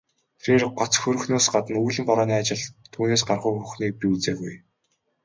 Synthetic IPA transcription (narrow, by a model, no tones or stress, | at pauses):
t̪ʰeɾeːrɢɔt͡sxɵɾɵ̆xnoːsɢat̪ə̆nujɮɘ̆mpɔɾɔːniːat͡ɕɪ̆ɮt̪ʰːuːneːs̬ɢarχujxɵxniːk̚pʲiut͡seːɣuj